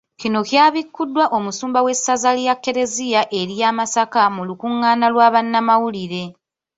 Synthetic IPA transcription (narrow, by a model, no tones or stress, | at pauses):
cino̞kjaːβikːudːwaʔo̞musuːmbawe̞sːazalijakːe̞ɾe̞ziaʔe̞ɾijaːmasakamulukuŋːaːnalwaːβanːamawuliɾe̞